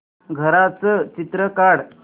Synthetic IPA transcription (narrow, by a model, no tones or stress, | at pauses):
ɡʱəɾat͡sət͡ɕit̪ɾəkaɽ